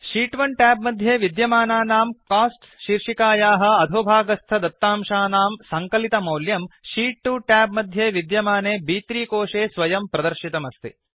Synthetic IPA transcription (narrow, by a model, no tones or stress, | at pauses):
ʃiːʈʋɐɳʈɛːbmɐd̪ʱjeːʋid̪jɐmaːnaːnaːmkaːsʈ | ʃiɾʂikaːjaːɦɐ̆ɐd̪ʱoːbʱaːɡɐst̪ʰɐd̪ɐt̪ːaːmʃaːnaːmsɐŋkɐlit̪ɐmɐwljɐmʃiːʈːuːʈaːbmɐd̪ʱjeːʋid̪jɐmaːneːbiːt̪ɾiːkoːʂeːsʋɐjɐmpɾɐd̪ɐɾʃit̪ɐmɐst̪ḭ